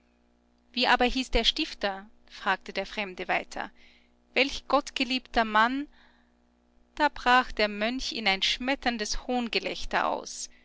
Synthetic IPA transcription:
v̥iːʔaːbɐɦiːsd̥eːɐʃtɪftɐ | fʁ̥aːk̚tədeːɐfʁ̥ɛmdəvaɪtʰɐ̰ | vɛlçɡ̥ɔtɡ̥əliːptɐman | d̥aːbʁaːxd̥eːɐmœnçɪnaɪnʃmɛtʰɐndəshoːnɡəlɛçtɐ̰ʔa̰ʊs

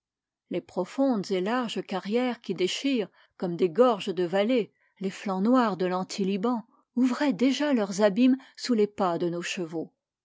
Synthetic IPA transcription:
lepχɔfɔ̃d̪zelaʁʒəkaʁjɛʁkʲid̪eʃiːʁ | kɔmd̪eɡɔʁʒəd̪əvale | leflɑ̃nwaʁd̪əlɑ̃t̪ʰilibɑ̃ | uvʁɛd̪eʒalœʁzabimsulepad̪ənoʃəvo

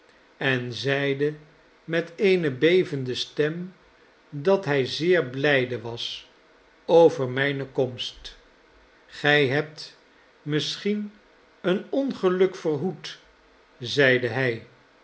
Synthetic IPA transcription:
ɛnzɛjdə | mɛtejnəbejvəndəstɛm | dɑtɦɛjzɪːɹblɛjdəʋɑs | owvəɹmɛjnəkɔmst | χɛjɦɛp̚t | mɪsχin | ənɔnχəlɵkfərɦut | zɛjdəɦɛj

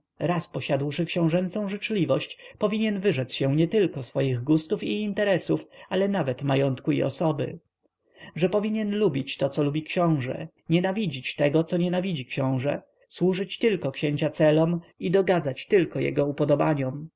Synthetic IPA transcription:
ɾaspɔɕad̪wʂɘkɕɛ̃w̃ʐɛnt̪sɔ̃w̃ʐɘt͡ʂlʲivɔɕt͡ɕpɔvʲiɲɛnvɘʐɛt̪sɕɛɲɛt̪ɘlkɔsfɔjiɣɡust̪ufiːnt̪ɛɾɛsufalɛnavɛt̪majɔnt̪kuḭɔ̰sɔbɘ̰ | ʐɛpɔvʲiɲɛnlubʲit͡ɕt̪ɔt̪sɔlubʲikɕɔ̃w̃ʐɛ̰ | ɲɛnavʲid͡ʑit͡ɕt̪ɛɡɔt̪sɔɲɛnavʲid͡ʑikɕɔ̃w̃ʐɛ | swuʐɘt͡ɕt̪ɘlkɔkɕeɲt͡ɕat̪sɛlɔmid̪ɔɡad̪zat͡ɕt̪ɘlkɔjɛ̰ɡɔupɔd̪ɔbaɲɔm

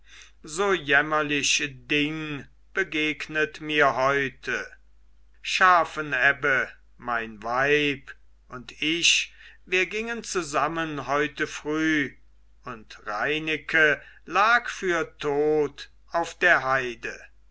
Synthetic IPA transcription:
zoːjɛmɐlɪɕədɪŋ | b̥əɡeːknətmiːɐɦɔʏtʰə | ʃaːfənɛbə | maɪnvaɪp | ʔʊntɪɕviːɐɡɪŋənt͡suzamənhɔʏtəfʁ̥yː | ʊntʁa̰ɪnɪkʰə | laːkfyːɐtʰoːt | aʊfd̥eːɐɦaɪdə

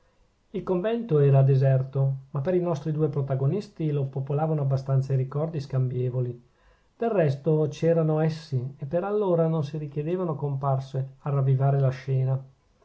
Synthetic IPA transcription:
ilkoɱvɛnt̪oɛːɾad̪ezɛrt̪omapːeɾinɔst̪ɾid̪uːepɾot̪aɡonist̪ilopopolaːvanoabːast̪ant̪saiɾikɔrd̪iskambjɛːvoli | d̪̥errːɛst̪ot͡ʃɛːɾanoɛsːiepːeɾalːoːɾanonsiɾikjed̪eːvanokomparsearavːivaːɾelaʃɛːna

